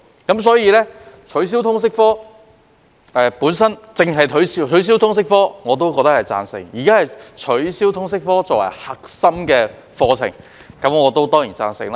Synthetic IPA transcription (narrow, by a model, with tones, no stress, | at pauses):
kɐ˨˥ms̬ɔː˨˥jiː˨˧lɛː˥ | t͡ʃʰɵ˨˥ɥs̬iː˥wt̪ʰʊ˥ŋs̬ɪ˥k̚fɔː˥ | ɛː˨˧puː˨˥nsɐ˥nt͡sɪ˨ŋɦɐ˨jt̪ʰɵ˨˥ɥsi˧˥t͡ʃʰɵ˨˥ɥs̬iː˥wt̪ʰʊ˥ŋs̬ɪ˥k̚fɔː˥ŋɔː˨˧t̪̬o˥wkɔː˧k̚t̪ɐ˥hɐ˨jt͡sa̰ː˧nsɪ̰˨˩ŋjiː˨˩kaː˥hɐ˨jt͡ʃʰɵ˨˥ɥsiː˥wt̪ʰʊ˥ŋsɪ˥k̚fɔː˥t͡sɔː˧k̚wɐ̰˨˩jhɐ˨k̚sɐ˥mkɛː˧ | fɔː˧t͡sʰɪ̰˨˩ŋ | kɐ˨˥mŋɔː˨˧t̪o˥wt̪ɔː˥ŋjiː˨˩t͡sa̰ː˧nsɪ̰˨˩ŋlaː˧˥